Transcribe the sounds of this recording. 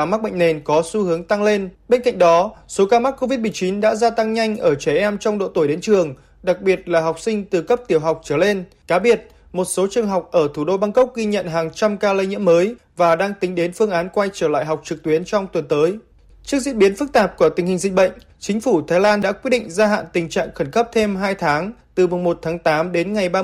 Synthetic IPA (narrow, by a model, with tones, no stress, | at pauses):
a˧ma˦˥ɓə̰˧˨ŋ̟ne˨˩nkɔ˨˦su˧hɨ˨˦əŋt̪a˧ŋle˧nɓe˧nka̰˧˨ŋ̟ɗɔ˨˦so˨˦kaː˧ma˦˥k̚ːo˧vi˦˥t̚mɨ˨˩ət͡ɕi˨˦nɗa̰ː˧˥zaː˧t̪a˧ŋɲa˧jŋ̟ʔəː˧˩t͡ɕɛ˧˩ʔɛ˧mt͡ɕɔ˧wŋ͡mɗo̰˧˨t̪o˧˩jɗe˨˦nt͡ɕɨ˨˩əŋ | ɗa˨˩k̚ɓi˨˩ət̚laː˨˩ɦa˨˩wk͡p̚sï˧ŋ̟t̪ɨ˨˩kə˦˥p̚t̪i˧˩əwɦa˨˩wk͡p̚t͡ɕəː˧˩le˧n | kaː˨˦ɓi˨˩ət̚ | mo˨˩t̚so˨˦t͡ɕɨ˨˩əŋɦa˨˩wk͡p̚ʔəː˧˩t̪ʰu˧˩ɗo˧ɓaː˧ŋkə˦˥k͡p̚ɣi˧ɲə̰˧˨nɦaː˨˩ŋt͡ɕa˧mkaː˧lə˧jɲḭ˧˥əməː˨˦j | vaː˨˩ɗaː˧ŋt̪ï˨˦ŋ̟ɗe˨˦nfɨ˧əŋʔaː˨˦nkwa˧jt͡ɕəː˧˩la̰ː˧˨jɦa˨˩wk͡p̚t͡ɕɨ˨˩k̚t̪wi˨˦ənt͡ɕɔ˧wŋ͡mt̪wə˨˩nt̪əː˨˦j | t͡ɕɨ˦˥ək̚zḭ˧˥nɓi˨˦ənfɨ˦˥k̚t̪aː˨˩p̚ku˧˩ət̪ï˨˩ŋ̟hi̟˨˩zï˧˨ŋ̟ɓə̰˧˨jŋ̟ | t͡ɕï˨˦ŋ̟fu˧˩t̪ʰaː˨˦jlaː˧nɗa̰ː˧˥kwt̚ɗḭ˧˨ŋ̟zaː˧ɦa̰ː˧˨nt̪ï˨˩ŋ̟t͡ɕa̰ː˧˨ŋxə˧˩nkə˦˥p̚t̪ʰe˧mɦaː˧jt̪ʰaː˨˦ŋt̪ɨ˨˩mʊ˨˩ŋ͡mmo˨˩t̚t̪ʰaː˨˦ŋt̪aː˨˦mɗe˨˦nŋa˨˩jɓaː˧